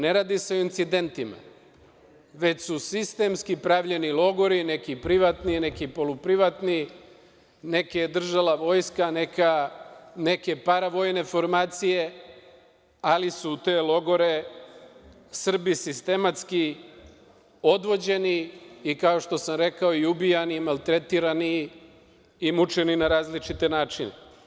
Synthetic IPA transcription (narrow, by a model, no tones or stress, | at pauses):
ne̞ɾaːd̪ise̞o̞int̪sid̪e̞nt̪ima̰ | ʋe̞t͡ɕsusist̪e̞mskipɾaːʋʎe̞nilˠo̞ɡo̞ɾine̞kipɾiʋat̪nine̞kipo̞lupɾiʋat̪ni | ne̞ked̪r̩ʒalaʋo̞ːjskanekane̞ke̞paɾaʋo̞jne̞fo̞ɾmaːt̪sije̞ | alisut̪e̞ːlo̞ɡo̞ɾe̞ | sr̩bisist̪e̞mat̪ski | o̞d̪ʋo̞d͡ʑe̞niːkao̞ʃt̪o̞samɾe̞kao̞iubijanimalˠt̪ɾe̞t̪iɾani | mut͡ʃe̞ninaɾaːzlit͡ʃit̪e̞naːt͡ʃine